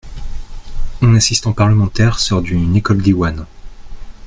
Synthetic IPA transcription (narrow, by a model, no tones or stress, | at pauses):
ɛ̃nasist̪ɑ̃paʁləmɑ̃t̪ɛʁsɔʁd̪ynekɔld̪iwan